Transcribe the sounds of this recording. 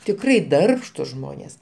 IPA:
tʲɪkˈrɐɪ ˈdɐrpʃtʊs ˈʒmoːnʲeːs

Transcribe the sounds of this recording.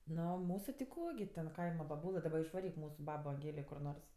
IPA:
ˈnoː ˈmuːsʊ tʲɪ ˈkoː ɡʲɪ tʲɛn ˈkɐɪmɐ bɐˈbuːlˠɘ dɐˈbɐ ɪʃʋɐˈrʲiːk ˈmuːsʊ ˈbɑːboː ɐŋʲˈɡʲeːlʲeː kʊr ˈnoːrs

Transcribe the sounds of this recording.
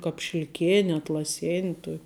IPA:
kɑːp ʃʲɪlʲˈkʲeːnʲɪ ɐtlˠɐˈsʲeːnʲɪ ˈtuɔkʲ

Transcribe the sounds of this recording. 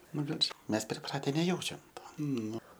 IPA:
ˈnʊ bʲɛt ʃ ˈmʲɛs pʲrʲɪˈprɑːtʲɛ nʲɛˈjɛʊt͡ʃʲɛm ˈtoː ˈnʊ

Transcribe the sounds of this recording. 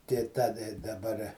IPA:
tʲeː ˈtɐ dɐˈbɐr

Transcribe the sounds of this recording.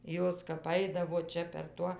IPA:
ˈjoːs kɐp ˈɐɪdɐʋoː ˈt͡ʃʲɛ pʲɛr ˈtuɔ

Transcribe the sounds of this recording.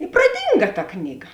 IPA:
ɪ prɐˈdʲiːŋɡɐ tɐ ˈknʲiːˌɡɐ

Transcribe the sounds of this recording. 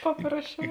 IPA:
ˈpɑːprɐsʲˌt͡ʃʲɛʊ

